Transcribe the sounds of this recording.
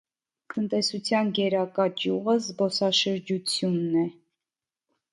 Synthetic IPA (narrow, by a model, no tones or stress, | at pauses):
t̪ənt̪ɛsut͡sʰjɑnɡɛɾɑkɑt͡ʃjuʁəzbɔsɑʃəɾd͡ʒut͡sʰjunːɛ